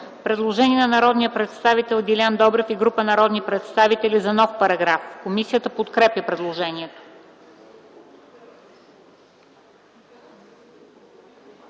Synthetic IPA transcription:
pɾɛd̪lˠoʒɛniɛnɐnɐɾɔd̪nijəpɾɛt̪st̪avit̪ɛlˠɡʲilʲand̪ɔbɾɛfiɡɾupənɐɾɔd̪nipɾɛt̪st̪avit̪ɛlʲizɐnɔfpɐɾɐɡɾafkomisijət̪əpot̪kɾɛpjəpɾɛd̪lˠoʒɛniɛt̪o̥

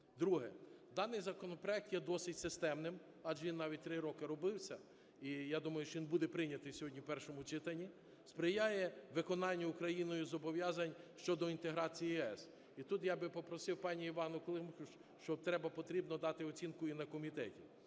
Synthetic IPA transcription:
d̪ɾuɦɛ̰d̪ɑnɪjzɐkɔnɔpɾɔɛk̚t̪jɛd̪ɔsɪtʲsɪst̪ɛmnɪm | ɑʒʋinːɑʋʲit̚ʲt̪ɾɪɾɔkɪɾɔbɪwsʲɐ | ijad̪umɐjʊʃt͡ʃɔʋʲinbud̪ɛpɾɪnʲɐt̪ɪjsʲɦɔdʲnʲiwpɛrʃɔmʊt͡ʃɪt̪ɐnʲːi | spɾɪjajɛʋɪkɔnɑnʲːɐʊkɾɐjinɔjʊzɔbɔʋʲjɑzɐnʲʃt͡ʃɔd̪ɔint̪eɦɾɑt͡sʲijiɛs | it̪ut̪jabɪpɔpɾɔsɪwpɑnʲiːʋɑnʊklˠɪmxʊ | ʃt͡ʃɔt̪ɾɛbɐpɔt̪ɾʲibnɔd̪ɑt̪ɪɔt͡sʲinkʊinɐkɔmʲit̪ɛtʲi

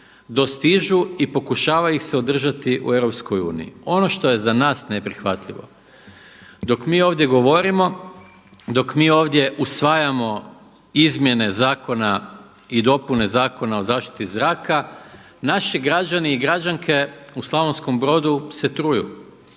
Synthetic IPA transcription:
d̪o̞st̪iʒuipo̞kuʃaːʋaixse̞od̪r̩ʒat̪iʔṵeʋɾo̞psko̞jṵːnḭio̞no̞ʃt̪o̞je̞zanaːsne̞pɾixʋat̪ʎḭʋo̞̰ | d̪o̞kmiːo̞ːʋd̪ʲje̞ɡo̞ʋo̞ɾimo̞ | d̪o̞kmiːo̞ːʋd̪je̞ʔusʋajamo̞ | izmje̞ne̞zaːko̞na | id̪o̞pune̞zaːko̞nao̞zaːʃt̪i̥t̪izɾaːka | naʃiɡɾad͡ʑaniiɡɾad͡ʑaŋkʰe̞uslˠaʋonsko̞mbɾo̞ːd̪use̞t̪ɾujṵ

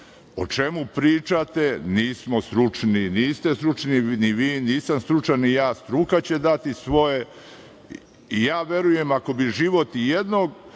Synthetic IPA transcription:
o̞̰t͡ʃe̞mupɾiːt͡ʃat̪e̞niːsmo̞st̪ɾut͡ʃniniːst̪e̞st̪ɾut͡ʃniniʋiːniːsamst̪ɾut͡ʃanijaːst̪ɾukat͡ɕe̞d̪at̪isʋo̞je̞ | ijaːʋje̞ɾuje̞mako̞biʒiʋo̞t̪jed̪noɡ

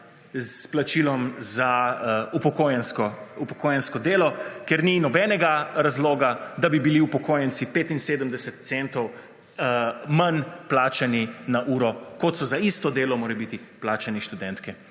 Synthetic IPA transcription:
zplat͡ʃilɔmzaupɔkojɛnskɔupɔkoːjɛnskɔd̪eːlɔkeɾninɔbɛnɛɡaɾazloːɡad̪abibiliupɔkoːjənsipeːt̪inseːd̪əmd̪ɛsɛt̪t̪sent̪ɔw | manplaːt͡ʃaninaʔuːɾɔkɔt̪sɔzaist̪ɔd̪eːlɔmoːɾɛbit̪iplaːt͡ʃaniʃt̪ud̪ɛnt̪kɛ

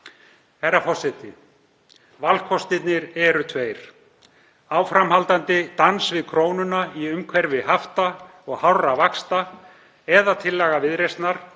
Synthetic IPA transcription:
ɛɾafɔsɛt̪ɪ | valkʰɔst̪ɪt̪nɪɾɛɾʏt̪ʰveːjɾ̥ | aːwfɾamhalt̪ant̪ɪt̪ansvɪðkʰɾoːwnʏnaiʏmkʰvɛɾvɪɦaft̪a | ɔɣhawravakst̪a | ɛðat̪ʰɪlːaɣavɪðɾejst̪naɾ̥

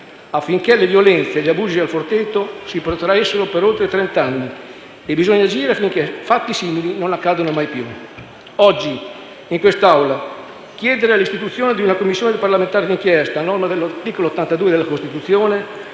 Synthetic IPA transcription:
afːiŋkelevjolɛnt̪seʎːabuːzialfort̪et̪ːosipɾot̪ɾaesːoɾopeɾolt̪ɾet̪ɾɛnt̪anːi | ebizoɲːad͡ʒiːɾeafiŋkefat̪ːisiːmilinonakːaːd̪onomajpju | ɔd͡ʒːi | iŋkwest̪awla | k̟jɛːd̪eɾealist̪it̪ut̪sːjoːned̪iunakomːisːjoːned̪eparlament̪aːɾed̪iŋk̟jɛst̪anɔrmad̪elːat̪iːkoloot̪ːant̪ad̪uːed̪elakost̪it̪ut̪sːjoːne

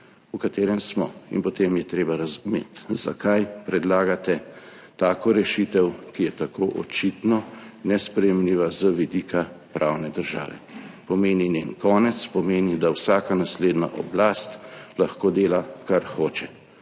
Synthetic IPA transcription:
ukat̪eːɾɛmsmɔ̰ḭnpɔt̪emjɛt̪ɾeːbaɾazumḛːt̪z̥a̰kajpɾɛd̪laːɡat̪ɛ | t̪aːkɔɾɛʃit̪ɛwkijɛt̪akʰoːʔɔ̰t͡ʃit̪nɔnɛspɾɛjɛmliːʋazəʋid̪ikʰapɾʔawnɛd̪əɾʒa̰ːʋɛ̰pɔmeːnineːnkɔːnɛt̪spɔmeːnid̪awsaːkanasleːd̪na̰ʔɔ̰blast̪laxkoːd̪eːlakaɾxoːt͡ʃɛ

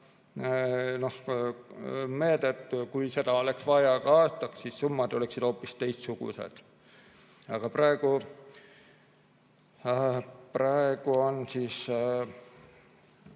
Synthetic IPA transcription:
no̞h | me̞ːd̪̥et̪kujse̞d̪ɑo̞leksvɑjɑɡ̥ɑɑːst̪ɑksːisːumːɑd̪̥o̞leksid̪̥o̞ːpːist̪e̞jst̪suɡ̥ṵsḛd̪̥ | ɑɡ̥ɑprɑeɡ̥u | prɑeɡ̥uo̞nsiːs

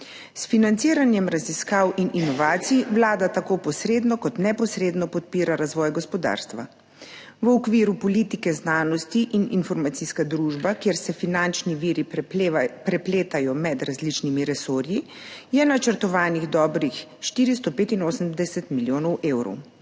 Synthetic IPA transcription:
sfinant̪siːɾanjɛmɾaziskaːwʔinʔinɔʋaːt̪siʋlaːd̪at̪akoːpɔsɾeːd̪nɔkɔt̪nɛpɔsɾeːd̪nɔpɔt̪̚piːɾaɾazʋɔjɡɔspɔd̪a̰ɾst̪ʋa̰ | ʋəɔkʋiːɾupɔliːt̪ikɛznaːnɔst̪iʔininfɔɾmat̪siskad̪ɾuʒbakeːɾsɛfinant͡ʃniʋiːɾi | pɾɛpleːt̪ajɔmɛd̪ɾazlit͡ʃnimiɾɛsoːɾjijɛnat͡ʃəɾt̪ɔʋaːniɣd̪ɔːbɾixʃt̪iːɾist̪ɔpeːt̪inoːsəmd̪ɛsɛt̪miljoːnɔwʔeːwɾɔ̰w

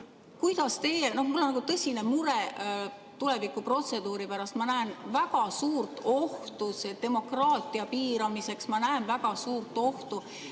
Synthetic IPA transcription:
kujd̪̥ɑst̪e̞jeno̞hmulːonːɑɡut̪ɤsʲinemuɾe | t̪ule̞vikːˑupro̞t̪se̞d̪̥uːɾipæɾɑst̪mɑnæenvæɡ̥ɑsuːrt̪ˑo̞ht̪used̪e̞mo̞krɑːt̪ˑiɑpiːɾɑmise̞ksmɑnæenvæɡɑsuːrt̪ːˑo̞ht̪u

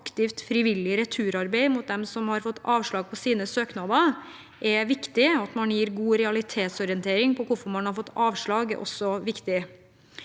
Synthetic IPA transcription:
ɑkt̪ɪft̪fɾɪʋɪlːɪɾɛt̪ʰʉːɾɑɾbeɪmʊt̪̚d̪ɛmsɔmhɑɾfɔt̪ːɑːʋʂɭɑːɡ̚pʰɔsiːnəsøːknɑd̪ɑ | ʔɛʋɪkt̪ɪɔɑt̪mɑnjiːɾɡuːɾɛɑlɪt̪ʰeːt̪sɔɾɪənt̪ʰeːɾɪŋpʰɔkʰʊfɔɾmɑnhɑɾfɔt̪ːɑːʋʂɭɑːɡʔɔ̰sɔʋɪkt̪ɪ

